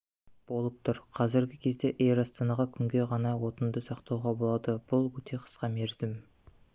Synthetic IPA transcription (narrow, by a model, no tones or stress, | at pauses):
b̥o̞lˠəp̚t̪ʰʊɾqʰɑzɪɾɡʲɪkʲʰe̞zd̪e̞ʔeɾɑst̪ɑnɑʁɑkʲʰʏŋɡʲe̞ʁɑnɑwo̞t̪ənd̪əsɑqt̪ɑwʁɑbo̞lˠɑd̪əb̥ʊlˠwɵt̪ʰe̞qʰə̥sqɑme̞ɾzɪm